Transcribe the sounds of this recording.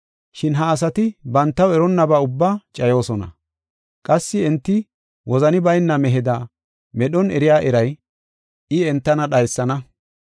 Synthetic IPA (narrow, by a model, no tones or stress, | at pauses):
ʃɪnɦɐːs̬ɐt̪ɪbɐnt̪ːɐwɛɾɔnːɐbaːʊbːaːt͡ʃʼɐjo̞ːsɔnɐ̰ | kʼɐsːɪɛnt̪ːɪ | wʔɔzɐnɪbɐjnːɐmɛɦɪd̪ɐ | mɛɗɔnɛɾɪjaːʔɛɾɐj | ɪɛnt̪ːɐnɐɗɐjsːɐnɐ